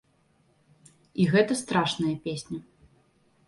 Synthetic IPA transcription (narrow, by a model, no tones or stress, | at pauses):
iɣɛt̪ɐst̪ɾaʂnɐjɐpʲesʲnʲɐ